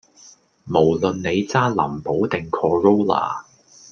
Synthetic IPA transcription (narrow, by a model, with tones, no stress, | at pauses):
mo˨˩wlɵ˨nne˨˧jt͡saː˥lɐ̰˨˩mpo˨˥wt̪ɪ˨ŋkʰɔː˨˧ɹo˥wla̰ː˨˩